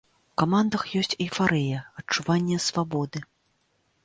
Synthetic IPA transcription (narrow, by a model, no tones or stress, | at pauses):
wkamand̪ɐxjɔsʲt͡sʲifaɾɛjɐɐt͡ʂuvanʲːɛsvabɔd̪ɨ